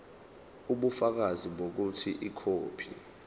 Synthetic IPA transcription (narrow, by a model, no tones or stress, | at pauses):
uɓufak̬aziɓok̬utʰiʔikʰoːpʰḭ